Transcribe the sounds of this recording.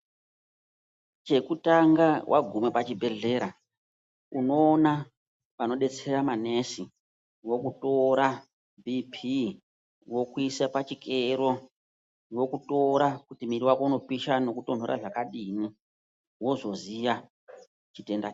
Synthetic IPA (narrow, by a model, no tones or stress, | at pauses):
t͡ʃe̞kutaŋɡawʔa̰ɡʱumepat͡ʃibʱe̞ɮe̞ɾa | uno̞ːna | pano̞ɗe̞t͡seramane̞si | wo̞kuto̞ɾa | bʱipʰi | wo̞kuisapat͡ʃikʰeɾo̞ | jo̞kuto̞ɾakutimiriwakouno̞piʃano̞kuto̞ndʱoɾa̰ʐakaɗini | wo̞ʐo̞zija | t͡ʃite̞nda̰